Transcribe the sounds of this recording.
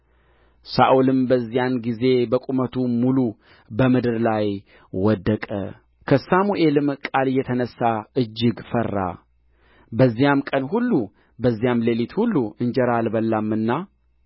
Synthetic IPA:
saʔulɨmbəzːijanɡize̞bəkʼumət̪ʰumulu | bəmɨd̪ɨɾlaj | wɔd̪ːəkʼə̰ | kʰəsamuʔe̞lɨmkʼalɨjːɛt̪ʰənəsːaɨd͡ʒːɪɡfərːa̰ | bəzːijamkʼənɦulːu | bəzːijamle̞lit̪hulːuɨɲd͡ʒɛɾalbəlːamːɨnːa

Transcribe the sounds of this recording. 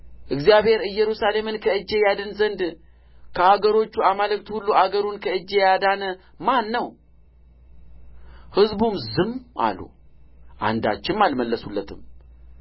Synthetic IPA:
ʔɨɡzijaβhe̞ɾɨjːɛɾusale̞mɨnkʰəɨd͡ʒːejad̪ɨnzənd̪ | kʰəhaɡəɾo̞t͡ʃːuamalək̚t̪hulːuaɡəɾunkʰəɨd͡ʒːejad̪anə | manːəw | hɨzbumzɨma̰lːṵʔa̰nd̪a̰t͡ʃːɪmmalməlːəsulːət̪ʰɨm

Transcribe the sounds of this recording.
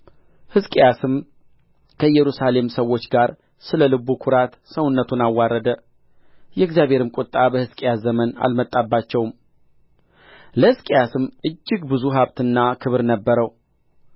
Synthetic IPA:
hɨskʼejasɨm | kʰəjɛɾusale̞msəwːo̞t͡ʃːɡaɾ | sɨləlɨbukʰʊɾat̪səwnːət̪ʰunawːarːəd̪ə | jɛɡzjaβhe̞ɾɨmkʼʊt̪ʼːabəhɨskʼejazəməna̰lmət̪ʼːabːat͡ʃːɛwm | ləhɨskʼejasɨmɨd͡ʒːɪɡbɨzuɦaβt̪ɨnːakʰɨβɨɾnəbːəɾəw

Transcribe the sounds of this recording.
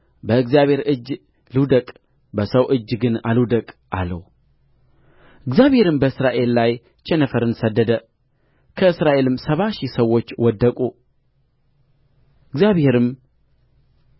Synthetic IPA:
bəɨɡzijaβhe̞ɾɨd͡ʒ | lɨd̪əkʼ | bəsəwʔɨd͡ʒːɡɨnalud̪əkʼʔa̰lːə̰w | ɨɡzjaβhe̞ɾɨmbəɨsɾaʔe̞llaj | t͡ʃɛnəfəɾɨnsəd̪ːəd̪ə | kʰəɨsɾaʔe̞lɨmsəβaʃisəwːo̞t͡ʃːwɔd̪ːəkʼu | ɨɡzjaβhe̞ɾɨm

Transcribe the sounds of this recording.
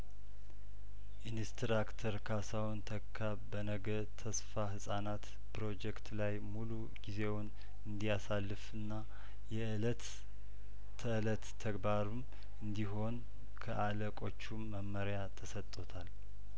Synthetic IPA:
ʔinist̪ɾakt̪ʰəɾkʰasawnt̪ʰəkʰːa | bənəɡə | t̪ʰəsfahɨsʼanat̪ | pɾo̞d͡ʒɛkt̪lajmulu | ɡize̞wn | ɨnd̪ijasalːɨfɨnːa | jɛɨlət̪ | əɨlət̪ʰːəɡbaɾum | ɨnd̪iɦo̞n | kʰəʔaləkʼo̞t͡ʃːumːəmːəɾjat̪ʰəsət̪ʼːot̪ʰal

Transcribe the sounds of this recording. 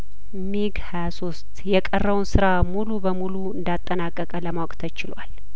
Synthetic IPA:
miɡhajaso̞st̪ʼjɛkʼərːəwnsɨɾamulubəmuluɨnd̪at̪ʼːənakʼːəkʼələmawkʼt̪ʰət͡ʃɪlwal

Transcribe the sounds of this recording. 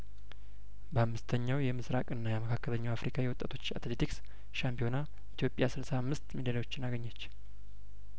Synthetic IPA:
bəamːɨst̪ʰəɲːawjɛmɨsɾakʼɨnːajaməkʰakːələɲːawafɾikʰajɛwɔt̪ʼat̪ʰo̞̥t͡ʃːa̰t̪let̪ʰiks | ʃampijo̞na | it̪ijo̞pʼjasɨlsaːmːɨst̪mid̪alawo̞t͡ʃːɪnaɡəɲːət͡ʃː

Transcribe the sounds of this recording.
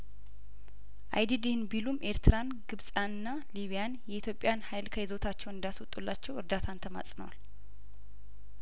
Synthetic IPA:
ʔajd̪id̪ihɪnbilumʔe̞ɾt̪ʰɨɾanɡɨβsʼaɨnːa | liβijanjɛit̪ʰjo̞pʼːjanhajlkʰəjzot̪ʰat͡ʃːɛwnɨnd̪jaswɔt̪ʼːulːat͡ʃːɛwɨɾd̪at̪ʰant̪ʰəma̰sʼnəwa̰l

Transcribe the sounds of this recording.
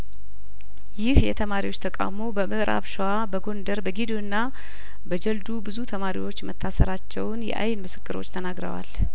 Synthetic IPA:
jɪhjɛ̰t̪ʰəmaɾiwot͡ʃːt̪ʰəkʼa̰wmo̞bəmɨβɾʔa̰βʃəwabəɡo̞nd̪əɾbəɡid̪oɨnːa | bəd͡ʒəld̪ubɨzut̪ʰəmaɾḭwo̞t͡ʃːmət̪ʰːasəɾat͡ʃːɛwnjɛ̰ʔa̰jnmɨsɨ̥kʼːɨɾo̞̰t͡ʃːt̪ʰənaɡɾə̰wa̰l

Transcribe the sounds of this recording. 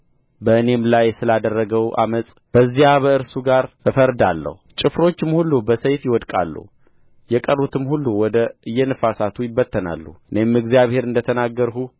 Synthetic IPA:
bəɨne̞mlajsɨlad̪ərːəɡəwʔa̰məsʼ | b̥əzːijaβəɨɾsuɡaɾɨfəɾd̪alːə̰hut͡ʃʼɪfɾo̞t͡ʃːɨmhulːubəsəjfjɪwɔd̪kʼa̰lːṵh | jɛkʼərːut̪ʰɨmhulːuwɔd̪əɨjːɛnɨfasat̪ʰujɪbːət̪ʰːəna̰lːṵʔɨne̞mɨɡzijaβhe̞ɾɨnd̪ət̪ʰənaɡːəɾɦu

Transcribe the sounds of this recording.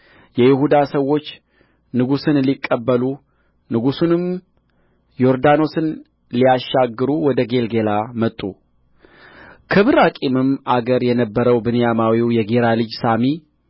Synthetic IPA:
jɛjɪɦud̪asəwːo̞t͡ʃː | nɨɡusɨnlikʼːəbːəlu | nɨɡusunɨm | jo̞ɾd̪ano̞sɨn | lijaʃːaɡːɨɾuwɔd̪əɡe̞lɡe̞lamət̪ʼːu | kʰɨβɨɾakʼimɨmaɡəɾjɛnəbːəɾəwbɨnjamawiwjɛɡeɾalɨd͡ʒsami

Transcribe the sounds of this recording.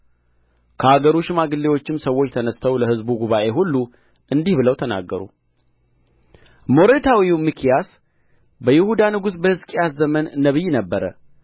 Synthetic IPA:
kʰəaɡəɾuʃɪmaɡɨlːewo̞t͡ʃːɪmsəwːo̞t͡ʃːt̪ʰənəst̪ʰəwləhɨzbuɡuβaʔe̞ɦulːu | ʔɨnd̪ihbɨləwt̪ʰəna̰ɡːəɾṵ | mo̞ɾet̪ʰawimɨkʰijas | bəjɪhud̪anɨɡusbəhɨzkʼijaszəmənːəβɨjːnəbːəɾə̰

